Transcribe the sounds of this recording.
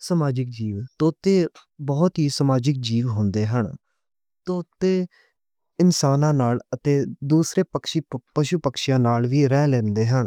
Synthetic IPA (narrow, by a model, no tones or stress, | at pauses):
səmaːd͡ʒɪk̚d͡ʒiːʋt̪oːt̪ːeː | bɔːt̪ɦiːsəmaːd͡ʒɪk̚d͡ʒiːʋɦʊ̃nd̪eːɦəɳ | t̪oːt̪ːeː | ɪnsaːnãːnaːlət̪eːd̪uːsɾeːpəkʃipəʃupəkʃjãːnaːlʋiːɾɛːlɛːnd̪eːɦəɳ